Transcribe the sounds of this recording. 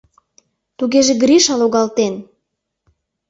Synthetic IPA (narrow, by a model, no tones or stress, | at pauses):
t̪uɣeʒĕɡɾiʃɑloɣɑlt̪en